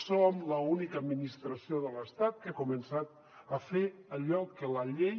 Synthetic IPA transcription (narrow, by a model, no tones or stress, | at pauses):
somləunikəːd̪minist̪ɾəsioðələst̪at̪̚kəakumənsat̪ | əfeəʎɔkːələʎe